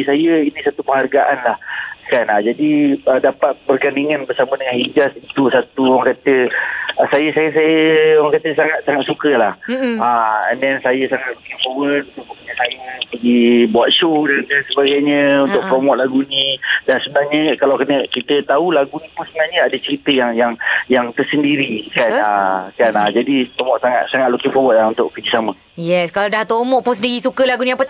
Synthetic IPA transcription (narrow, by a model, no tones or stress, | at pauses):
isajəinisat̪upəŋɦarɡaʔanlahkanad͡ʒadiədapat̪̚bərɡaniŋanbərsamədəŋanhid͡ʒasit̪usat̪uwaŋkat̪ə | sajəsajəsajəwaŋkat̪əsaŋat̪̚saŋat̪̚sukəlahaɛ̰ndɛnsajəsaŋat̪̚makiŋpowənunt̪uməkuɲasajəpaɡibuat̪̚ʃodanansəbaɡajɲə̃unt̪ʊk̚pɾomɔʔ̪laɡunĩdansəbənahɲə̃kalawkənəkit̪ət̪aulaɡunĩpʊnsəbənaɲəadət͡ʃəɾit̪əjaŋjaŋjaŋt̪ərsəndiɾikanakanad͡ʒadit̪omɔʔsaŋat̪̚saŋat̪̚lukɪpowət̪launt̪ʊʔkəd͡ʒisamə | jɛskaladaht̪omɔʔpʊnsəndiɾisukəlaɡunĩapə